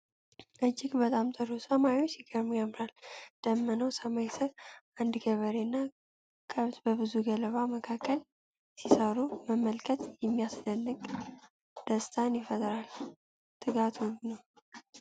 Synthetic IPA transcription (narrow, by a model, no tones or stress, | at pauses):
ʔɨd͡ʒːɪɡbət̪ʼamt̪ʼɨɾosəmausiɡəɾmujamɾald̪̥əmːənəwsəmajsɨɾʔand̪ɡəβəɾenːa | kʰəβt̪bəbɨzuɡələβaməkʰakʰːəl | sisəɾuməmːəlkʼʰət̪jɛmːijasd̪ənːɨkʼ | d̪̥əst̪ʰanjɪfəd̪ʼəɾal | t̪ʰʼɨɡat̪ʰwunəw